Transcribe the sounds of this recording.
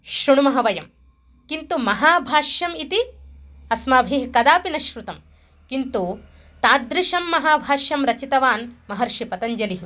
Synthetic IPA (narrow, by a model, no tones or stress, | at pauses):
ʃɾuɳumɐɦɐʋɐjɐm | kint̪umɐɦaːbʱaːʃjɐmit̪iɐsmaːbʱiɦkɐd̪aːpinɐʃɾut̪ɐm | kint̪u | t̪aːd̪ɾiʃɐmːɐɦaːbʱaːʃjɐmɾɐt͡ʃit̪ɐʋaːnmɐɦɐɾʃipɐt̪ɐɲd͡ʒɐliɦ